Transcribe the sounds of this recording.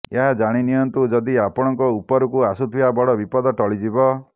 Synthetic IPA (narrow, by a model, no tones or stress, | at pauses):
eɦad͡ʒaɽ̃inijɔnt̪ud͡ʒɔd̪iapɔɽ̃ɔŋkɔupɔɾukuasut̪ʰiabɔɽɔbipɔd̪ɔʈɔɭid͡ʒibɔ